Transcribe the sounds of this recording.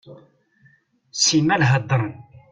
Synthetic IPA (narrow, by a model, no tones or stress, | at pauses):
simːælɦəd̪ˤːən